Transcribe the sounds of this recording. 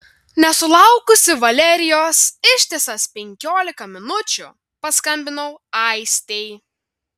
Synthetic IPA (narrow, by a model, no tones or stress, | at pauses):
nʲɛsʊlˠɑʊkʊsʲɪʋɐlʲɛɾʲɪjoːsɪʃʲt̪ʲesɐspʲɛŋʲkʲoːlʲɪkɐmʲɪnʊt͡ʃʲʊ̰ | pɐskɐmʲbʲɪnɐʊɐɪsʲt̪ʲɛɪ